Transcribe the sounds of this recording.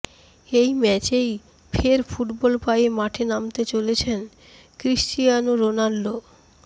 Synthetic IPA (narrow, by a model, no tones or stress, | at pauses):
ejmɛt͡ɕej | fʰeɾfʰuʈbɔlpajemaʈʰenamt̪et͡ɕolet͡ɕʰen | kɾiʃʈijanoɾonalːo